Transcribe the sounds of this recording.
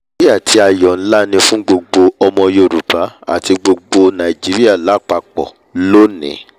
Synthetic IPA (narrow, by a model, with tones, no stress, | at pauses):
i˦a˦˨tʰi˧˦a˨jɔ˨n̩˦la˦nĩ˧fũ˦ɡ͡bo˧ɡ͡bo˧ɔ˧mɔ̃˧jo˧˨ɾu˨pa˨˦a̰˦˨ti˧ɡ͡bo˧ɡ͡bo˧nã˨i˨d͡ʒi˨˦ɾi˦a˦˨la˨˦˨k͡pa˧k͡pɔ̰˨ | lo˦nḭ̃˨˦